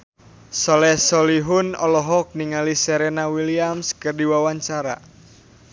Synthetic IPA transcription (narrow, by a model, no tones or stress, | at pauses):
sɔlɛsɔliɦunɔlɔɦɔk̚niŋalisɛɾenawiliamskɨrdiwawaɲt͡ʃaɾa̰